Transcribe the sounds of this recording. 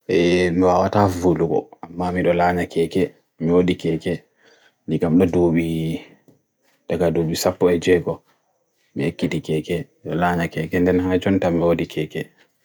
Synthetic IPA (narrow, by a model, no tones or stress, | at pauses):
ʔɛmiwawatavuluɡɔ̰ʔamːamiɗɔlaɲakʰɛkɛ | miwodikɛːkɛ | nikamɗɔdoɓi | d̥aɡadoːɓisapːɔɛd͡ʒɛɡɔ | mihekːiɗikɛkɛ | ɗɔlaɲakɛkɛndɛnhad͡ʒɔntamiwodikʰɛːkɛ